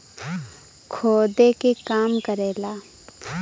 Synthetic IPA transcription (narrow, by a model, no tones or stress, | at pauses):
kʰoːd̪ekekaːmkəɾeːlaː